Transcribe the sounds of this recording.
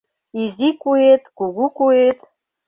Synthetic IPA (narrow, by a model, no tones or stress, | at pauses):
izikʷʼuet̪ʼɡ̥ʷuɡʷukʷʼuetʰʼ